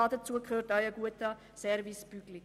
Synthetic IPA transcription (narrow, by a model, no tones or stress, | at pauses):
ɑdət͡suəkχøːrtœʏəɡuətə | sɛɾvispyɡli